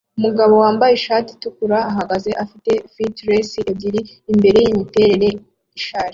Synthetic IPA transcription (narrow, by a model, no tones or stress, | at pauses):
umuɡaβo̞waːmbajeʃaːti̥tukuɾaːɦaɡaze̞ʔafite̞fitɾesiʔeɟiɾiː | mbe̞ɾe̞jimite̞ːɾe̞ɾe̞ | iʃaːɾi